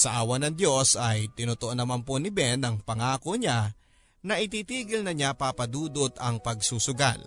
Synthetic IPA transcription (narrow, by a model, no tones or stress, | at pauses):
sɐʔaːwɐnɐŋd̪jo̞sɐjt̪ɪnot̪oʔonɐmanpo̞nɪbɛnɐŋpɐŋaːko̞ɲa | nɐʔɪt̪̬iːt̪iːɡɪlnɐɲapapɐd̪uːd̪ot̪ɐŋpɐɡsuːsʊɡa̰l